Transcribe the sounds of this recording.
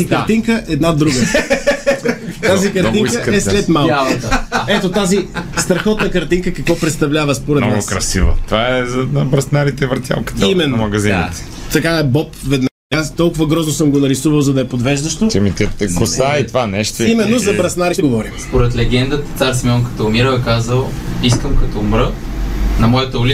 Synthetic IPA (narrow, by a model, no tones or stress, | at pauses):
zikɐɾt̪iŋkəʔɛd̪nad̪ɾuɡə | azikɐɾt̪iŋikəɛslɛt̪malˠat̪ɛt̪ot̪azist̪ɾɐxɔt̪nɐkɐɾt̪iŋkəkɐkvɔpɾɛt̪st̪ɐvlʲavəspoɾɛt̪ɔnaɡʊkɾɐ̰sḭvo̰t̪ovaɛzɐnɐbɾɐsnaɾit̪ɛvɐɾt̪ʲja̰lˠkə̥t̪imɛnːmɐɡɐzinit̪ɛ̥ | t̪ɐkaɛbɔpvɛd̪na | ast̪ɔlˠkʊvɐɡɾɔznosɤmɡonɐɾisuvɐlˠzɐd̪ɐɛpod̪vɛʒd̪ɐʃt̪ot̪imit̪it̪kosait̪ovanɛʃt̪oimɛnːozɐbɾɐsnaɾiʃt̪ɛɡovɔɾimspoɾɛt̪lɛɡ̟ɛnd̪ət̪ə̥t̪saɾsimʲɔnkɐ̥t̪ɔʊmiɾəwɛkazəlˠiskəmkɐt̪ɔːmɾə | nɐmɔjət̪əʊli